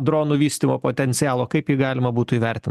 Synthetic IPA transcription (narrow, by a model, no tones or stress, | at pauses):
d̪ɾoːnuːʋʲiːsʲt̪ʲimoːpoːt̪ʲɛnʲsʲɪjæːlˠoːkɐɪpjɪɡɑːlʲɪmɐbuːt̪ʊiːʋʲɛɾʲt̪ʲɪn